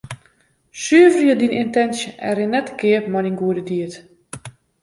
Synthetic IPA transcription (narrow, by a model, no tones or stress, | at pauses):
syəvərjədinɪntɛnsjəʔɛɾɪnːɛtkɪəpmɔninɡuədədiət